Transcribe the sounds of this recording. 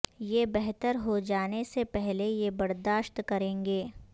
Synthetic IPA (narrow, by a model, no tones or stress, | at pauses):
jebɛɦt̪əɾɦod͡ʒaːnesepɛɦlejebɐɾd̪aːʃt̪kɐɾẽːŋɡeː